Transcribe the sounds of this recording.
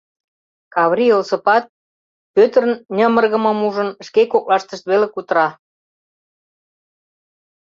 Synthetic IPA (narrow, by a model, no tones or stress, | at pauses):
kɑβɾiolsəpɑt̪̚ | pøt̪ərənnʲəmərɣə̆məmuʒə̆nʃkekok̚lɑʃt̪əʃt̪βelekut̪əɾɑ